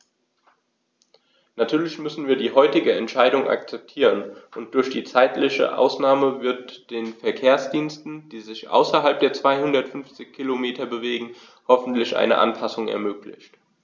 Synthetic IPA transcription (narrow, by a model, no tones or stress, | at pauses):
natʰyːɐlɪçmʏsn̩viːɐdiːɦɔʏtɪɡəɛntʃaɪdʊŋʔa̰k̚t͡sɛp̚tʰiːʁənʔʊnt̚d̥ʊɐçd̥iːt͡saɪtlɪçə̰ʔa̰ʊsnaːməvɪɐtd̥eːnfɛɐkʰeːɐsd̥iːnstn̩d̥iːzɪçʔa̰ʊsɐɦalp̚d̥eːɐt͡sv̥aɪhʊndɐtfʏnft͡sɪçkʰilomeːtʰɐbəveːɡŋ̩ | hɔfn̩tlɪçʔa̰ɪnə̰ʔa̰npʰasʊŋɛ̰ɐmøːklɪ̰çt